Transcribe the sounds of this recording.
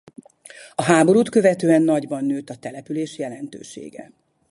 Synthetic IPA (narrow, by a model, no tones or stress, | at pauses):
ɒɦaːbo̞ɾuːt̪kø̞vɛt̪øːɛnːɒɟbɒnːøːt̪ɒt̪ɛlɛpyleːʃjɛlɛnt̪ø̰ːʃḛːɡɛ̰